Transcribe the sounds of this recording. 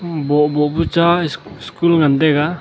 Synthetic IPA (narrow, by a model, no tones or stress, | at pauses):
bɔʔbɔʔbut͡ʃaskulŋand̪ɛɡa